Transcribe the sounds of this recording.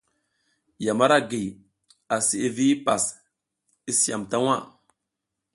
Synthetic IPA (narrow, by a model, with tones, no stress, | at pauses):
ja˨ma˦ɾa˦ɡi˨ | a˨si˨e˦vi˦pa˨s | i˦si˦a̰˨mta˦wa˦